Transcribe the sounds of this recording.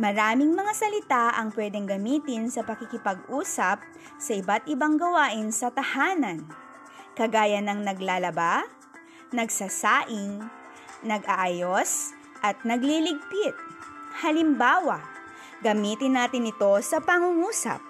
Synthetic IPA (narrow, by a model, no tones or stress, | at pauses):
mɐɾaːmɪŋmɐŋasɐlɪt̪aʔɐŋpwɛːd̪ɛŋɡɐmiːt̪ɪnsɐpɐkɪkɪpɐɡʔuːsɐp̚ | sɐʔɪbat̪̚ʔɪbaŋɡɐwaːʔɪnsɐt̪ɐhaːnɐn | kɐɡaːjɐnɐŋnɐɡlaːlɐba | nɐɡsɐsaːʔɪŋ | nɐɡʔɐʔaːjos | ʔɐt̪̚nɐɡlilɪɡ̚pɪt̪̚hɐlɪmbaːwɐ | ɡɐmiːt̪ɪnːaːt̪ɪnɪt̪o̞sɐpɐŋuŋuːsɐ̰p̚